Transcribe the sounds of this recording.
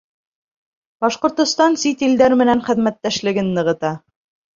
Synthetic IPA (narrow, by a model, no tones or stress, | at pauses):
b̥ɑʃqŏɾt̪ŏst̪ɑnsit̪ild̪æɾmɘ̆nænχɘ̆ðmæt̪ːæʃlɘ̆ɡɘnːɤ̆ʁɤ̆t̪ɑ